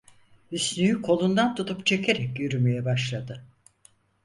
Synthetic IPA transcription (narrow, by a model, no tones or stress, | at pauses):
ysnyjykʰo̞lˠund̪ant̪ʰut̪upt͡ʃʰe̞kʰe̞ɾɛkjyɾyme̞jɛbaʃlˠad̪ɯ